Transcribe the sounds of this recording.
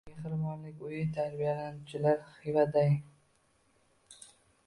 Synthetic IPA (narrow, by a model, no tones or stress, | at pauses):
ahɾmɒnlɪkʲʊjɪt̪ʰaɾbijalanʊt͡ʃʰɪlaɾχɪvad̪aj